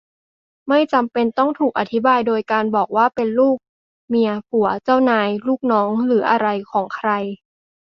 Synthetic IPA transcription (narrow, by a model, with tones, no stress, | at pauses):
ma˥˩jt͡ɕa˧mpe˧nt̪ɔ˥˩ŋt̪ʰuː˨˩k̚ʔa˧˩t̪ʰi˦˥baː˧jdoː˧jkaː˧nbɔː˨˩k̚waː˥˩pe˧nluː˥˩k̚ | mi˧ɐpu˩˦ɐt͡ɕa˥˩wnaː˧jluː˥˩k̚nɔː˦˥ŋɾɯː˩˦ʔa˧ɾa˧jkʰɔː˩˦ŋkʰɾa˧j